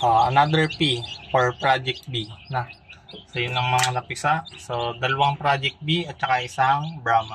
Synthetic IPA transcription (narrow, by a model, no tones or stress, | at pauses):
ʔaɐnad̪ɛɹpifoɹpɾad͡ʒɛk̚t̪̚binɐsɐjʊnɐŋmɐŋanɐpɪsaʔsod̪ɐlɐwaŋpɾad͡ʒɛk̚t̪̚biɐt̪̚t͡ʃɐkaʔɪsaŋbɹaːmɐ